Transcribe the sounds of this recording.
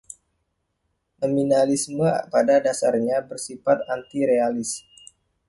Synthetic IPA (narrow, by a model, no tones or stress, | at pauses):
nominalisməpadadasarɲabərsifat̪ant̪iɾealɪs